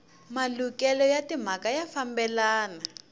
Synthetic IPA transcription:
malukɛlɔjatim̤akajafambɛlaːna

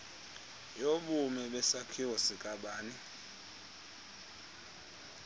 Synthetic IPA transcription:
joɓumɛɓɛsakʰiwɔsikʼaɓaːni

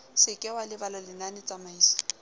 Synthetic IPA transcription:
sɪkʼɛwalɪbalalɪnanɪt͡sʼamaiːsɔ̥

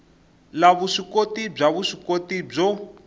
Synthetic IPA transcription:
laβuʂikotib͡ʐaβuʂikotib͡ʐɔ

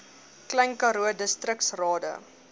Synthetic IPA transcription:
klɛjŋkɐɾuədəstrəksrɑːdə̰

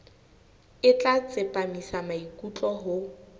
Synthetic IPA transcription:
ɪt͡ɬʼat͡sʼɪpʼamisamaikʼut͡ɬʼɔɦʊ

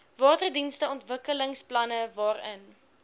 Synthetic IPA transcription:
vɑːtərdinstəɔntvəkələŋsplɐnəvɑːrən

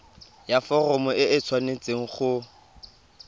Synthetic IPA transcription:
jafɔrɔmʊɪʔɪt͡sʰwanet͡sʼeŋ̩χʊ

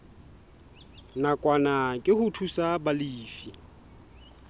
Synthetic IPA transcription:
nakʼwanakʼɪhʊtʰusabaliːfi

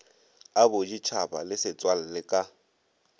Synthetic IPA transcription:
abʊd͡ʒit͡ʃʰaba̰lɪsɪt͡sʼwal̩lɪkʼa

